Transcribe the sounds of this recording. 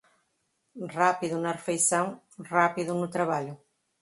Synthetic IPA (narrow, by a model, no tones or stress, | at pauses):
rapiðunɐrefejsãŋ | rapiðunut̪ɾaβaʎʊ